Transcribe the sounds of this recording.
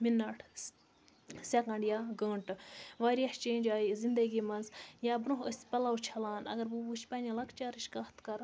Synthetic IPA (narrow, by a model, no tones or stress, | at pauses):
minːaʈʰ | sʲɐkɐɳɖjaːɡəːɳʈʋaːɾʲjɐht͡ʃeːnʲd͡ʒaːjizind̪ɐɡiːmɐnzjaːbnuɦəsʲpɐlawt͡ʃʰɐlaːnɐ̰ɡɐɾbubuʃʰpʲaːnʲɐlɐkt͡ʃaːɾiʃkɐht̪kɐɾ